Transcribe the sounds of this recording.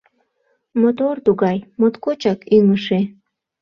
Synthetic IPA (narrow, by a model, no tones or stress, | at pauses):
mot̪ort̪uɣɑjmot̪kot͡ɕɑkyŋəʃe